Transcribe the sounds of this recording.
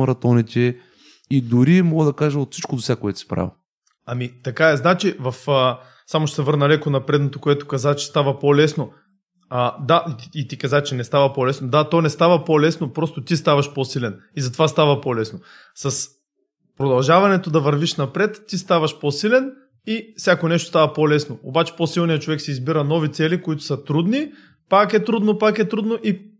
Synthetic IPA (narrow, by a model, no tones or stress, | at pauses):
ɾɐt̪ɔnit̪ʲɛ | id̪ʊɾimɔɡəd̪ɐkaʒɐot̪fsit͡ʃkod̪osʲakoɛt̪ʊ̥si̥pɾa̰vʲḭ | ɐmit̪ɐkaɛznat͡ʃivɐfə | samoʃt̪ɛsɛvɤɾnɐlɛkonɐpɾɛd̪not̪okoɛt̪o̥kɐzat͡ʃɛ̥st̪avɐpolɛsno | əd̪aʔit̪ikɐzat͡ʃɛnɛst̪avɐpolɛsnod̪at̪onɛst̪avɐpolɛsnopɾɔst̪ot̪ist̪avɐʃposilʲɛnizɐt̪ovast̪avɐpolɛsno | sɐs | pɾod̪ɐlˠʒavɐnɛt̪od̪ɐvɐɾviʃnɐpɾɛt̪ːist̪avɐʃposilɛn | ifsʲjakonɛʃt̪ost̪avɐpolɛsnoobat͡ʃɛ̥posilˠnijɐt͡ʃovɛksɛizbiɾɐnɔvit̪sɛlikoit̪ʊ̥sɐt̪ɾud̪ni | pakɛt̪ɾud̪nopakɛt̪ɾud̪noʔi